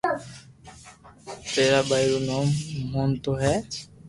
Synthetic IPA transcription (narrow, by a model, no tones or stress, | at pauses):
t̪eːɾaːbajɪɾoːnoːmɦoːnt̪oːɦɛː